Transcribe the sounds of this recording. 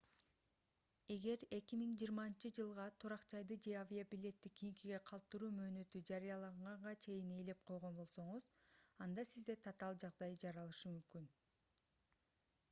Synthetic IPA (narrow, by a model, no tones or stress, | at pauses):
e̞ɡe̞ɾe̞kʲimiŋd͡ʒiːɾmɑnt͡ʃɯd͡ʒɯlˠʁɑt̪ʰuɾɑqd͡ʒɑjd̪ɯd͡ʒe̞avʲiobilʲe̞t̪ːikʲʰijiŋkiɡe̞qʰɑlˠp̚t̪ːɯɾuːmø̞ːnø̞t̪yd͡ʒɑɾijɑlˠɑɴʁɑɴʁɑt͡ʃʰe̞jine̞le̞p̚qʰo̞jʁo̞nbo̞lˠso̞ɴuzɑnd̪ɑsizd̪e̞t̪ʰɑt̪ɑlˠd͡ʒɑʁd̪ɑjd͡ʒɑɾɑlˠɯʃɯmymkyn